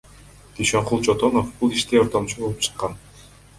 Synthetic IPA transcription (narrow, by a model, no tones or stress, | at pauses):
d̪̥iʃøɴqulˠt͡ʃot̪o̞nofbulˠiʃt̪eoɾt̪omt͡ʃubo̞lˠupt͡ʃʰɯ̥qːɑn